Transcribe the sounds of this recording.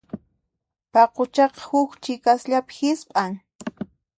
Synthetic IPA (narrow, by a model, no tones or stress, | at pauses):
pɑqot͡ʃɑqɑ̥hʊkt͡ʃɪkasʎapɪ̥xɪspʼaŋ